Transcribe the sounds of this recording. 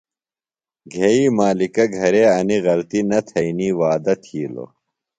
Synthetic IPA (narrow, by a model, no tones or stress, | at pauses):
ɡʱeːiːmaːlikɐɡʱɐɾeːɐniɣɐlt̪inɐt̪ʰɐiniːwaːd̪ɐt̪ʰiːlo̰